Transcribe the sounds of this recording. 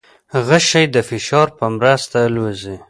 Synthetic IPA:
hɣəʃajd̪əfɪʃɑɾpəmɾast̪alwazi

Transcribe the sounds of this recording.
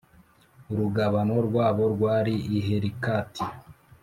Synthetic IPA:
uɾuɡaβano̞ɾɡwaːβo̞ɾɡwaːɾiʔiɦeɾikaːtʰi

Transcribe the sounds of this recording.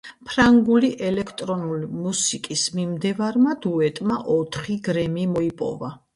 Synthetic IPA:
pʰɾaŋɡuliʔɛlɛkʰt̪ʼɾɔnulimusikʼismimd̪ɛvaɾmad̪uɛt̪ʼmaʔɔt̪ʰχiɡɾɛmimɔipʼɔ̰va

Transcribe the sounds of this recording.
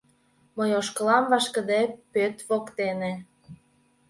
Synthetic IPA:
məjoʃkəlɑmvɑʃkə̆d̪epøt̪βokt̪ene

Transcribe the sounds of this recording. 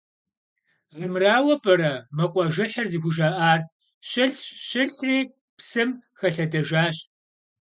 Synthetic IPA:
ʁəmraːwɐpʼɐɾɐmɐqʷʼɔʒɪħɐrzixʷʊʒaːʔaːr | ɕɪɬʃɪɬriː | psɨmxɐɬɐdɐʒaːɕ

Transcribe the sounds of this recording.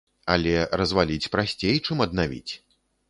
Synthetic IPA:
ɐ̰lʲɛrɐzvalʲit͡sʲpɾasʲt͡sʲejt͡ʂɨmɐd̪navʲḭt͡sʲ

